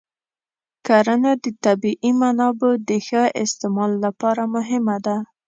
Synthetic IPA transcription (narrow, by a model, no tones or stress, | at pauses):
kaɾənad̪ət̪abiʔimanɑbəd̪əxəʔɪst̪ɪmɑlːapɑɾamʊɦɪmad̪a